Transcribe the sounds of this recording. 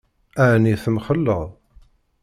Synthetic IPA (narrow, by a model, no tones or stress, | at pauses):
aʕniθəmχəlːəʁˤ